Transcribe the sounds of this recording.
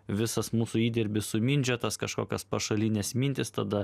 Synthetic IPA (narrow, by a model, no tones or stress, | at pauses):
ʋʲɪsɐsmuːsʊiːd̪ʲɛɾʲbʲɪsʊmʲɪnʲd͡ʒʲot̪ɐskɐʃkoːkʲospɐʃɐlʲɪnʲeːsmʲɪnʲt̪ʲɪst̪ɐd̪ɐ